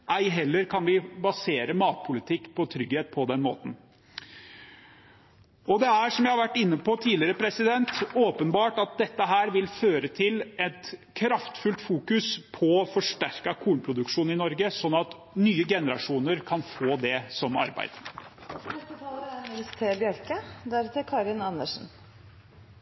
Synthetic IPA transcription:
ʔæɪɦɛlːəɾkʰɑnʋɪbɑseːɾəmɑːt̪̚pʰʊlɪt̪ʰɪkːpʰɔt̪ʰɾʏɡheːt̪̚pʰɔd̪ɛnmo̰ːt̪n̩ | ɔd̪ɛæʂɔmjæɪhɑɾʋæʈːɪnːəpʰɔt̪ʰiːlɪəɾəpʰɾɛsɪd̪ɛnt̪oːpənbɑːʈɑt̪̚d̪ɛt̪ːəɦæːɾʋɪlføːɾət̪ʰɪlɛt̪kʰɾɑft̪fʉlt̪fuːkʉspʰɔfɔʂʈæɾkɑkʰuːnpʰɾʊd̪ʉkʂuːnɪnɔɾɡəsɔnːɑt̪ | nyːəɡɛnəɾɑʂuːnəɾkʰɑnfoːd̪ɛsɔmɑ̰ɾbæ̰ɪd̪̥nɛst̪ət̪ʰɑːləɾæɾnɛləst̪ʰeːbjœɾkəd̪æɾt̪ɪkʰɑːɾɪnɑnːəʂn̩

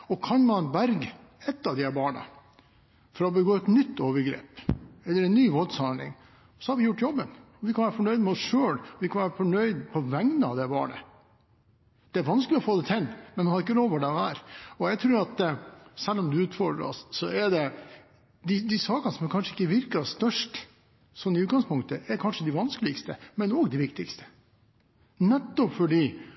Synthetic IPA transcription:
ɔkʰɑnmɑnbæɾɡ | ɛt̪ːɑʋd̪ɪhæbɑːɳɑ̰ | fɔɾɑɔbəɡoːɛt̪nʏt̪ːoːʋəɾɡɾḛːpɛlːəɾɛnːyːʋɔld̪sɑlɪ̰ŋ | sɔhɑɾʋɪjʊʈːjɔbːənɔʋɪkʰɑnʋæːɾəfɔɳœʏd̪mɛɔsʂøːlɔʋɪkʰɑnʋæːɾəfɔɳœʏd̪pʰɔʋæŋnəɑ̰ʋd̪ɛbɑ̰ːɳə̰ | d̪̥ɛæɾʋɑnskəlɪɔfoːd̪ɛt̪ʰɛlːmɛnʋɪhɑɾɪkːəɾoːʋʊɖɛɔæːɾɔjæɪt̪ʰɾʉːɾɑt̪sɛlːɔmd̪ʉʉːt̪fɔɖɾ̰ɔ̰ssɔɛɖɛ | d̪ɪd̪ɪsɑːkənsɔmækʰɑnʂəɪkːəʋɪɾkɑst̪œʂʈ | sɔnːɪʉːɡɑŋspʊŋt̪əæɾkʰɑnʂəd̪ɪʋɑnskəlɪkst̪əmɛnɔːɡd̪ɪʋɪkt̪ɪkst̪ə̥ | nɛt̪ːɔpfɔɖiː

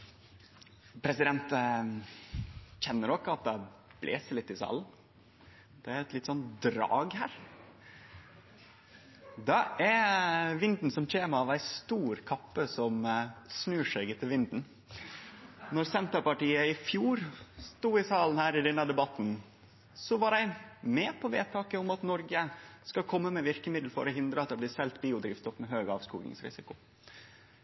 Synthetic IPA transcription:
pʰɾɛsɪd̪ɛnt̪ | çɛnːəɾɔkːəɑt̪̚d̪ɑb̥lḛːsəɭɪt̪ːɪsɑ̰ːln̩ | d̪̥ɛæɾɛt̪lɪt̪ːsɔnt̪d̪ɾɑ̰ːɡhæːɾ | d̪ɑɛɾʋɪnd̪n̩sɔmc͡çeːməɑʋæɪst̪uːɾkʰɑpːəsɔmsnʉːʂɛɡət̪ʰɪlʋɪnd̪n̩ | nɔɾsɛnt̪əpɑʈiːəɪfjuːɾst̪uːɪsɑːln̩hæːɾɪd̪ɛnːəd̪ɛbɑt̪n | sɔʋɑɾæɪmɛːpʰɔʋḛːt̪ʰɑːkəʊmɑt̪nɔɾɡəskɑkʰɔmːəmɛʋɪɾkəmɪd̪l̩fɔ̰ɾɔɦɪnd̪ɾəɑt̪̚d̪ɛblɪsɛlt̪biːʊd̪ɾiːfst̪ɔpːmɛɦøːɡɑːʋskṵːɡɪ̰ŋsɾɪ̰sɪkʊ

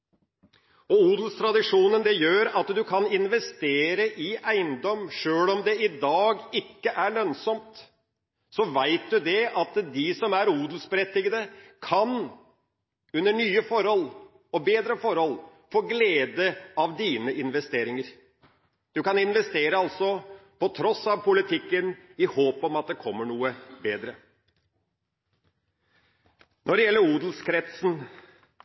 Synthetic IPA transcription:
ɔuːd̪lst̪ʰɾɑd̪ɪʂuːnənd̪ɛjøːɾɑt̪d̪ʉkʰɑnɪnʋɛst̪eːɾəʔɪæɪnd̪ɔmːʂøːlɔmd̪ɛɪd̪ɑːɡɪkːəʔæɭœnsɔmt̪ | sɔʋæɪt̪̚d̪ʉd̪ɛɑt̪d̪ɪsɔmæɾuːd̪l̩sbəɾɛt̪ːɪɡəd̪əkʰɑn | ʉnːəɳyːəfɔɾhɔl | ɔbeːd̪ɾəfɔɾhɔlfoːɡleːd̪əɑʋd̪iːnəʔɪnʋɛst̪eːɾɪŋəɾ | d̪̥ʉkɑnɪnʋɛst̪eːɾəɑlsɔpɔt̪ʰɾɔsɑʋpʰʊlɪt̪ʰɪkːənɪhoːpɔmɑt̪̚d̪ɛkʰɔmːəɳuːəbeːd̪ɾə | nɔɾɖɛjɛlːəɾuːd̪l̩skʰɾɛt̪sn̩

